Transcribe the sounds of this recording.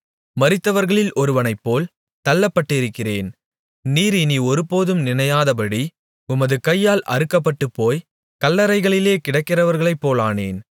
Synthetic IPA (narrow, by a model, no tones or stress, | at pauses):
mɐɾɪt̪ːɐʋɐɾɣɐɭɪlʔɔɾɯʋɐnɐɪpːoːl | t̪ɐlːɐpːɐʈːɪɾɯkːɪreːn | niːɾɪniɔɾɯpoːðɯmnɪnɐjaːðɐpɐɽi | ʊmɐðɯkɐjːaːlʔɐ̰ɾɯkːɐpːɐʈːɯpːoːj | kɐlːɐɾɐɪɣɐɭɪleːkɪɽɐkːɪrɐʋɐɾɣɐɭɐɪpːoːlaːneːn